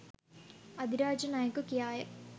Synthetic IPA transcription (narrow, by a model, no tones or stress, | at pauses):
ɐd̪iɾaːd͡ʑɐnaːjɐkːukːijaːjɐ